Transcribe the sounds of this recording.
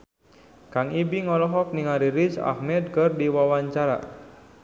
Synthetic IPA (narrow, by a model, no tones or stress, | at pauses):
kaŋibiŋɔlɔɦɔk̚niŋaɾiɾit͡ʃa̰hmɛd̪̚kərdiwawaɲt͡ʃaɾa̰